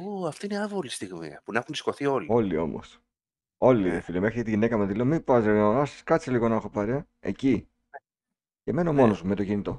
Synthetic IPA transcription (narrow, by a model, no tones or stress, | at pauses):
oɐft̪iineɐvɣolist̪iɣmḭɐ̰punɐxuni̥sko̞θio̞lio̞lio̞̰mo̞̰s | o̞liiðefilime̞xɾicet̪iʝine̞kɐmðile̞omipɐziɣoɐskɐt͡siliɣo̞nɐexo̞pɐɾe | ḛci | ce̞me̞no̞mo̞no̞zmume̞t̪o̞ʝinit̪o̞